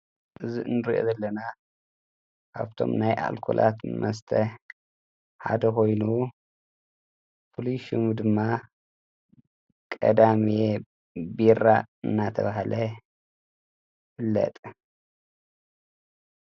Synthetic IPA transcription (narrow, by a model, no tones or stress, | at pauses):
ʔɨziʔɨnɨɾiʔo̞̰zɐlːɐna | kʰaβt̪ʰo̞̰mnajʔa̰lkʰo̰lʔa̰t̪nɨmɐst̪ʰɐ | ħa̰d̪ɐkʰo̞jnu | pʰoliʃumd̪ɨmːa | kʼɐd̪amie | biɾaɨnːat̪ʰɐ̰βaɦlɐ | fɨlːɐ̰t̪ʼ